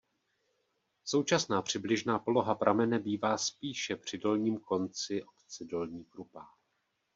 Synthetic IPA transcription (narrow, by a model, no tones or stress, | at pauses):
so̞wt͡ʃasnaːpr̝̥ɪblɪʒnaːpo̞lo̞ɦapɾʔamɛnɛbiːvaːspiːʃɛpr̝̥ɪdo̞lɲiːmko̞nt͡sɪʔo̞pt͡sɪdo̞lɲiːkɾupaː